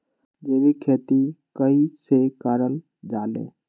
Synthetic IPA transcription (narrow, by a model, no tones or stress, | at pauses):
d͡ʒeːbikʰet̪ikəisekaːɾəl | d͡ʒaːlḛ